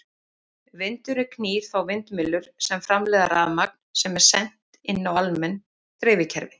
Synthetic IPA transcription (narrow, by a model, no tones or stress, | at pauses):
vɪnt̪ʏɾɪkʰniːð̥θawvɪnt̪mɪlːʏɾ̥sɛmfɾamlɛːðaɾaðmak̚n̥sɛmɛɾ̥sɛn̥t̪ɪnːawalmɛn | t̪ɾɪːvɪcʰɛɾvɪ